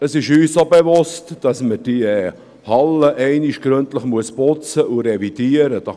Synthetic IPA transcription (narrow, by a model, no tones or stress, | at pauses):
əsɪʃyːssobevʊstd̥ɑsməd̥i | hɑləʔɛɪniʃɡ̥ɾɵntləχmuəspʊt͡səʔuɾevid̥iəɾəd̥ɑ